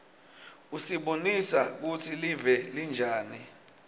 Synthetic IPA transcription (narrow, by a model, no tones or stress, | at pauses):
usiɓonisak̬utʰilivɛlind͡ʒʱaːni